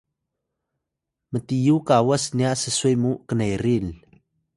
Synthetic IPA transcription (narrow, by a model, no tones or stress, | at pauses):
mətijukawasniasəsujmukənajɾil